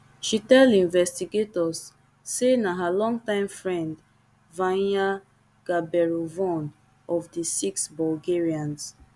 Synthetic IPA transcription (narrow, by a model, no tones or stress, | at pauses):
ʃitɛldĩnvɛstiɡetɔsː | enaɦalɔ̃ŋtãɪ̃mfɹɛ̃nd | vãa | ɡ̥abɛɹovɔ̃n | ɔvdisiksbɔlɡeɹiãns